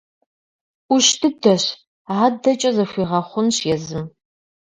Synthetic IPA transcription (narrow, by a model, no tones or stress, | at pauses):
ʊʃtʰɨdɐɕ | adɐt͡ʃʼɐzɐɕʷiːʁɐχʷʊnɕjɛzɨm